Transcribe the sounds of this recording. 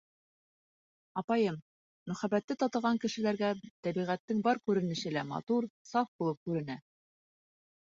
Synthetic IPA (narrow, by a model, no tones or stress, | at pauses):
ɑpɑjɤm | mɵ̆χæbæt̪ːɘt̪ɑt̪ɤ̆ʁɑŋkɘ̆ʃɘ̆læɾɡæt̪æbiʁæt̪ːɘŋbɑɾkʉɾɘ̆nɘ̆ɕɘ̆læmɑ̰t̪uɾsɑfbulˠɤp̚kʉɾɘ̆næ